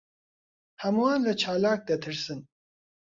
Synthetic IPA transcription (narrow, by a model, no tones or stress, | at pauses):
hɐmuwɑːnlɐt͡ʃʰɑːlɑːk̚d̪ɐt̪ʰɨɾsɨn